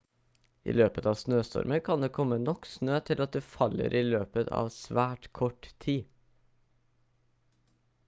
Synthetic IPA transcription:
ʔḭːløːpət̪ɑːʋsnøːst̪ʰɔ̰ɾməkʰɑnd̪eːkʰɔmənɔksnøːt̪ʰɪlɑt̪̚d̪eːfɑlə̰ɾʔiːløːpət̪ʰɑ̰ːʋsʋæːʈkʰɔʈt̪ʰiː

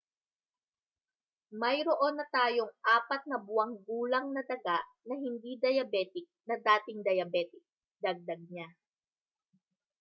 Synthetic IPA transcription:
mɐjɾoʔo̞nːɐt̪aːjo̞ŋʔaːpɐt̪̚nɐbʊɐŋɡuːlɐŋnɐd̪ɐɡaʔnɐhɪnd̪id̪ɐjɐbɛːt̪ɪk̚nɐd̪aːt̪ɪŋd̪ɐjɐbɛːt̪ɪk̚ | d̪ɐɡ̚d̪ɐɡ̚ɲa

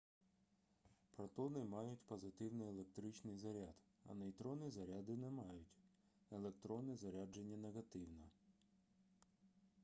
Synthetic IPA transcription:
pɾɐt̪ɔnɪmɑjʊtʲpɔzɪt̪ɪwnɪjelˠe̞k̚t̪ɾɪt͡ʃnɪjzɐɾʲad̪ | ɐ̰nɐjt̪ɾɔnizɐɾʲad̪ɪnɛmɑjʊtʲ | elˠek̚t̪ɾɔnɛzɐɾʲad͡ʒenʲːɐneɣɐt̪ɪwnɐ

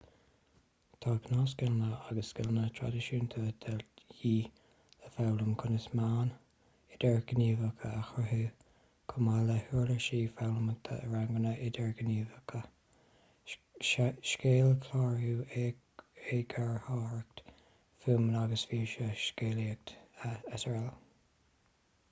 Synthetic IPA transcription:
t̪ʰɑːkʰnɑːsɡɪlnəaɡəsːkɪlnət̪ʰɹa̰dɪʃuːnt̪ʰoːd̪ʰɛljiː | ləfawləmkʰʊnəsmaːn | ɪd̥̪ɛɹɡəniːvəkʰəaxɹəɦuː | kʰʊmaləhuːɹləʃiːfawləmət̪ʰə̰əɹaŋɡənəʔɪdɛɹɡəniːvəkʰə | ʃkeːlkʰlɑːɹhu | eɡaɹhɑːɹək̚t̪ | fuːməlaɡəsviːʃəʃkeːliək̚t̪ətəɹɛl

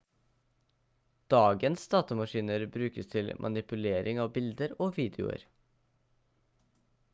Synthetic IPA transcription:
d̪̥ɑːɡənsd̪ɑːt̪əmɑʃiːnəɾbɾʉːkəst̪ʰɪlmʔɑ̰nɪpʉleːɾʔɪŋɑːʋbɪld̪əɾoːʋiːd̪ɛʊ̰ə̰ɾ

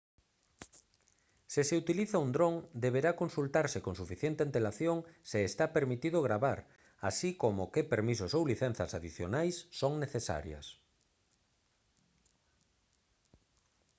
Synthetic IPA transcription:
sɪseut̪iliθaund̪ɾoŋd̪eβ̞eɾakonsult̪aɾsɪkoŋsufiθjent̪eant̪elaθjoŋseːst̪apeɾmit̪iðoɣ̞ɾaβaɾ | asikomokepeɾmis̬ʊsowliθɛn̟θɐsaðiθjo̰najsːoŋneθesa̰ɾjɐ̰s

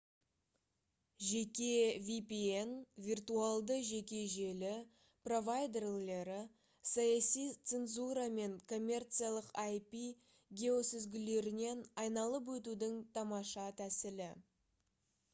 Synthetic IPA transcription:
ʒe̞kʲe̞vʲipie̞nvʲirt̪ualˠd̪əʒe̞kʲe̞ʒe̞lɪ | pro̞vajd̪e̞rle̞ɾɪ | sɑjɑsijt̪senzuɾɑme̞ŋkʰo̞mʲːe̞rt̪sɨijalˠəqajpi | ɡʲe̞o̞sʏzɡʲɪle̞ɾɪne̞nɑjnɑlˠəp̬wɵt̪̬ud̪ɪŋt̪ʰɑmɑʃɑt̪ʰæsɪlɪ

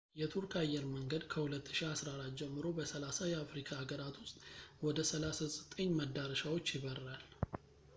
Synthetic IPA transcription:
jɛt̪ʰuɾkʰʼajɛɾməŋɡəd̪kʰəhulət̪ːɨ̥ʃiasɾaɾad͡ʒɛmːɨɾo̞bəsəlasajɛafɾikʰaːɡəɾat̪wʊst̪ʼwɔd̪əsəlasasʼət̪ʼəɲːməd̪aɾəʃawo̞t͡ʃːjɪβərːal

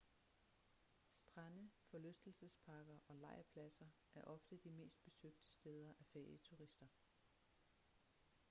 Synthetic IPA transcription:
sd̥ʁanəfɒ̽løsd̥l̩səspʰɑ̈ːɡ̥ɐʔɒ̽lɑ̈ɪ̰ɐpʰlæsɐ | ʔæɐʔɒ̽fd̥əd̥ime̝̰ːsd̥̚b̥e̝søɡ̥̚d̥ə̥sd̥eːð̞ˠɐʔæfeɐ̰iət͡sʰuʁisd̥ɐ

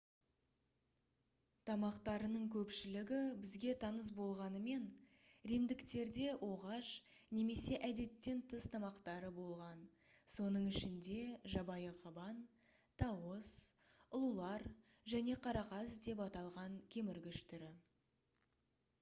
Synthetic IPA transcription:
t̪ʰɑmɑqt̪ɑɾənəɴkʲʰɵpʃɪlɪɡʲɪbɪzɡʲe̞t̪ʰɑnəs̬bo̞lˠʁɑnəme̞n | ɾemd̪ɪkt̪e̞ɾd̪e̞wʔo̞ʁɑʃ | ne̞me̞se̞ʔæd̪e̞t̪ːe̞nt̪ʰəst̪ʰɑmɑqt̪ɑɾəbo̞lˠʁɑn | so̞nəɴɪʃɪnd̪e̞ʒɑbɑjəqʰɑbɑn | t̪ʰɑwosʊlˠulˠɑɾ | ʒæne̞qʰɑɾɑqɑsd̪e̞pɑt̪ɑlˠʁɑŋkʲʰe̞mɪɾɡʲɪʃt̪ɪɾɪ

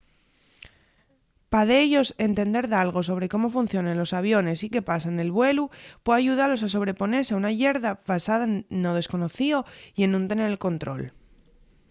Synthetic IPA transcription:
paðeeʝo̞se̞nt̪e̞nd̪e̞ɾðalɣ̞o̞so̞βɾe̞ko̞mo̞funθjo̞nenlo̞saβjo̞ne̞sike̞pasane̞lβwe̞lupweaʝuð̞alo̞saso̞β̞ɾe̞po̞ne̞ɾseaunaʝe̞ɾðaβasaðaennːo̞ð̞e̞sko̞no̞θio̞ie̞nũnt̪e̞ne̞ɾlko̞nt̪ɾo̞̰l

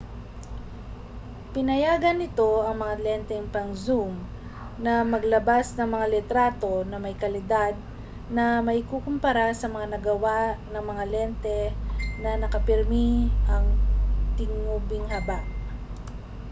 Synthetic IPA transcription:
pɪnɐjaːɡɐnːɪt̪o̞ʔɐŋmɐŋalɛnt̪ɛŋpɐŋzum | nɐmɐɡlɐbasnɐŋmɐŋalɛt̪ɾaːt̪o̞nɐmɐjkɐlɪd̪ad̪̚ | nɐmɐɪkukʊmpɐɾasɐmɐŋanɐɡɐwanɐŋmɐŋalɛnt̪ɛnɐnɐkɐpɛɾmiʔɐŋt̪ɪŋubɪŋhɐbaʔ

